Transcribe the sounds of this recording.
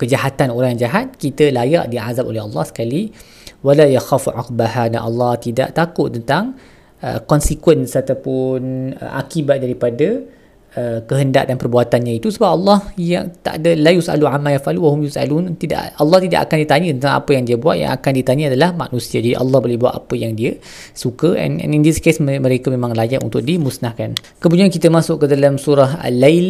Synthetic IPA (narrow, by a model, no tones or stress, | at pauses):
kəd͡ʒahat̪anoɾaŋjaŋd͡ʒaɦat̪̚kit̪əlajaʔdiʕazap̚olɛɦɑlːɑhsə̥kali | walajaxafʕa̰q̚bahadanʔɑ̰lːɑht̪ida̰ʔt̪akʊʔt̪ːənt̪aŋ | ə̰kɔnsikwənsat̪apʊnə̰ʔa̰kibat̪̚daɾipada | əkəɦənda̰ʔdanpərbuat̪anɲãit̪usəbap̚ʔɑlːɑhjaŋt̪a̰ʔdəlajusa̰luamːajafʔaluwaɦʊmjusa̰lunt̪ida̰ʔalːɑht̪ida̰ʔa̰kandit̪aɲə̃t̪ənt̪aŋa̰pəjaŋdiəbua̰ʔja̰ŋa̰kandit̪aɲəadalahma̰ʔnũsiad͡ʒadiʔa̰lːɑhbolɛhbuaʔ̪a̰pəjaŋdiə | sukəʔɛ̰nɛ̰nindiskesmməɾekamẽmãŋlajaʔunt̪ʊk̚dimusnahkan | kəbuɲuankit̪əmasʊʔkədalamsuɾaɦa̰lːajl